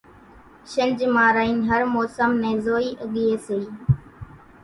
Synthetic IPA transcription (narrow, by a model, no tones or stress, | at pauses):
ʃənd͡ʒmaːɾaːiːnɦəɾmoːsəmnɛ̃ːzoːiːʔəɠiːeːseiː